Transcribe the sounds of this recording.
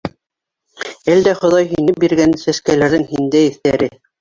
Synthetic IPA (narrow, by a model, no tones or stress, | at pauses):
æld̪æχŏðɑjɦinɘp̚biɾɡænsæskælæɾðɘŋhind̪æɘ̆θt̪æɾɘ